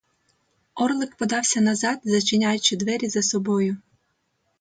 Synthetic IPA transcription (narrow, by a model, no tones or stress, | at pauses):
ɔrlˠɪkpɔd̪ɑwsʲɐnɐzɑd̪zɐt͡ʃɪnʲajʊt͡ʃɪd̪ʋɛɾʲizɐsɔbɔjʊ